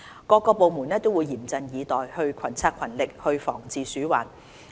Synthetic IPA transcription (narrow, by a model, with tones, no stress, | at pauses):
kɔː˧kːɔː˧po˨wmuː˨˩nɛː˥t̪o˥wuː˨˧jiː˨˩mt͡sɐ˧njiː˨˧t̪ɔː˨jhɵ˧ɥkʰɐ˨˩nt͡sʰaː˥kʰɐ˨˩nlɪ˨k̚hɵ˧ɥfɔ̰ː˨˩ŋt͡siː˨syː˨˥wa̰ː˨˩n